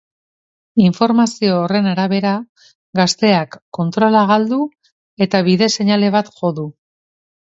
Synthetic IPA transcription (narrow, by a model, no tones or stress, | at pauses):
iɱfo̞ɾmasio̞ːre̞naɾaβ̞e̞ɾa | ɡast̪e̞akːo̞nt̪ɾo̞laɣ̞ald̪u | e̞t̪aβ̞iðe̞se̞ɲale̞β̞at̪ʝo̞ðu